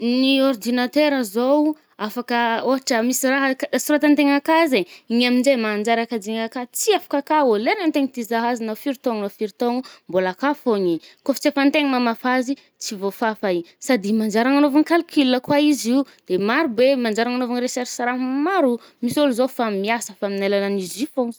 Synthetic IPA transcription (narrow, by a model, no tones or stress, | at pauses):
niord̪inat̪eɾəzow | afakəoɦaʈ͡ʂəmisiraɦakasiɾat̪ant̪eŋakazeiɲaminzemand͡ʒaɾakad͡ziŋakat͡siafḁkakaolenant̪eŋit̪izaɦazinafiɾt̪oŋnafiɾit̪oŋumbolakafoɲikofi̥t͡sefant̪eŋimamafazi | t͡sivofafaisad̪imand͡ʒaɾaŋanovanikalukʰilːəkwaizi | d̪̥emaɾubemand͡ʒaɾaŋanovanɾesɛɾsaɾaɦmaɾu | misolzofamiasəfaminalalanizifoŋ